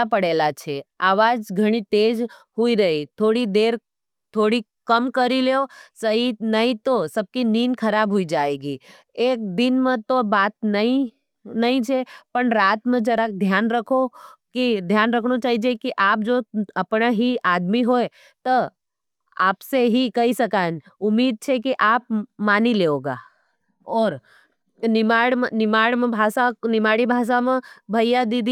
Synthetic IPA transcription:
apəɽelat͡ʃʰeaːʋad͡ʒɡʱəɽ̃it̪ed͡ʒ | ɦoiɾəɦit̪ʰoɽid̪eɾ | t̪ʰoːɽi | kəmkəɾileosəɦinəɦĩt̪osəb̚kininkʰəɾabɦoid͡ʒaeɡi | ek̚d̪ɪnmãt̪obat̪̚nəi | nəɦĩt͡ʃʰepəɳɾaːt̪mãd͡ʒəɾak̚d̪ʱjanɾəkʰokid̪ʱjaːnɾɐkʰnot͡ʃaːɦid͡ʒekiʔaːp̚d͡ʒoːɐpnaɦiaːd̪miɦoːe | t̪o | a̰ːpseɦikɐɦisɐkaːn | ʊmːiːd̪̚t͡ʃʰekiʔaːp̚maːnileːoːɡa̰ː | ɔːɾ | nɪmaːɽmnɪmaːɽmẽbʱaːsanɪmaːɽibʱaːs̬amẽbʱɐjjad̪id̪i

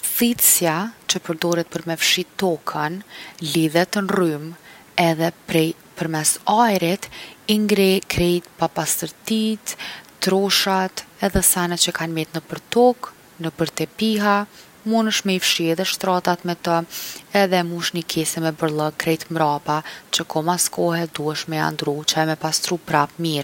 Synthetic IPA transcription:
θit̪sjat͡ʃəpəɾd̪ɔɾɛt̪̚pəɾmɛfʃit̪ɔkʰənliðɛt̪ənrym | ɛðɛpɾɛ | pəɾmɛsajɾit̪iŋɡɾɛkɾɛjt̪papast̪əɾt̪it̪ː | ɾɔʃat̪ɛðɛsanɛt̪t͡ʃəkanmɛt̪nəpəɾt̪ɔk | nəpəɾt̪ɛpiɦa | munəʃmɛifʃiɛðɛʃt̪ɾat̪at̪mɛt̪əɛðɛmuʃnikʰɛsɛmɛbəɾlˠəɡkɾɛjt̪mɾapat͡ʃəkʰɔmaskɔɦɛd̪uɛʃmɛa̰nd̪ɾut͡ʃamɛpast̪ɾupɾamiɾ

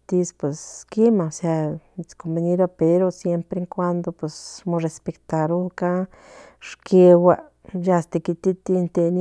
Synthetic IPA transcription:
t̪ispwesskimaoseat͡skombeniɾopeɾosjempɾeŋkʷand̪opwesmorespekt̪aɾuka | ʂkewa | jast̪ekit̪it̪int̪en

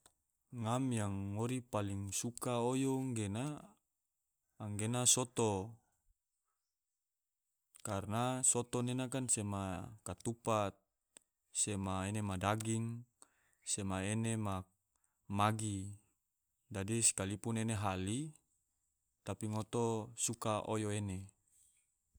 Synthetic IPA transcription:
ŋamjaŋːoɾipaliŋsukaojoŋɡena | ŋɡenasot̪o | karnasot̪onenak̬ansemakat̪upat̪̚ | semaenemadaɡiŋ | semaenema | maɡi | d͡ʒadisi̥kalipuneneɦali | t̪apiŋot̪osukaʔojoene

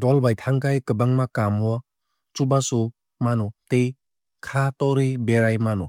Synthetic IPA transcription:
dɔlbajtʰaŋkajkɯbaŋmakamuɔ | t͡ʃubasu | manutej | kʰatɔɾibeɾajmanu

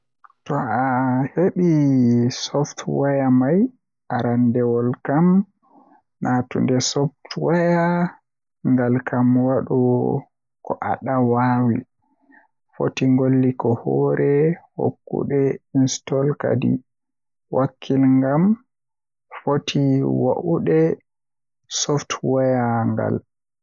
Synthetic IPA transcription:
tɔaheɓisɔftʰwajamaj | aɾandɛwɔlkam | nʔatṵndɛsɔfttwaja | ŋɡalkamwaɗɔ | kɔʔa̰ɗawawi | fo̰tiŋɡolːikɔhɔɾʔɛho̰kːṵɗɛinstɔlka̰dḭ | wakʰːilŋɡam | fotʰiwa̰ʔuɗɛ | sɔftwajaŋɡa̰l

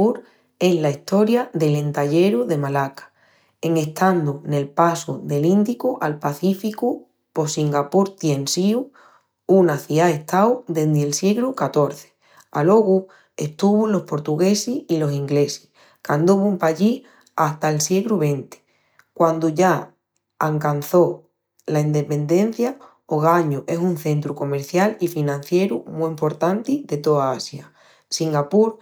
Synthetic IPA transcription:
uɾ | e̞zlaiht̪o̞ɾjaðe̞le̞nt̪aʎe̞ɾuðe̞malakḁ | eŋe̞ht̪and̪une̞lpasuðe̞lind̪ikuʔalpaθifiku | po̞siŋɡapuɾt̪je̞nsiu | unaθiae̞ht̪awd̪e̞nd̪elsjeɣɾukat̪o̞ɾθe̥ | alo̞ɣu | e̞ht̪uβulo̞hpo̞ɾt̪uɣe̞sihilo̞siŋɡle̞si̥h | kand̪uβumpaʎi | aht̪aelsjeɣɾuβe̞nt̪i̥ | kwand̪uʝa | aŋkan̟θo̞ | laind̪e̞pe̞nd̪e̞n̟θja | oɣ̞aɲuʔe̞sunθe̞nt̪ɾuko̞me̞ɾθjalifinãn̟θje̞ɾumuimpo̞ɾt̪ant̪iðe̞t̪o̞aasja | siŋɡapuɾ

